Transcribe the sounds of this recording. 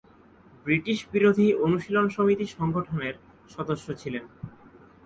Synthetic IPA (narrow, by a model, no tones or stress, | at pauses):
bɾiʈiʃbiɾod̪ʱionuʃilonʃomit̪iʃɔŋɡoʈʰoneɾ | ʃɔd̪oʃːot͡ɕʰilen